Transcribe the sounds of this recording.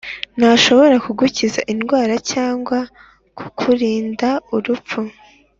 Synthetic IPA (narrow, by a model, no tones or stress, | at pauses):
naʃo̞βo̞ɾakuɡuciza̰ʔinɡwaːɾacaːŋɡwa | kʰu̥kʰuɾiːndauɾupp͡fu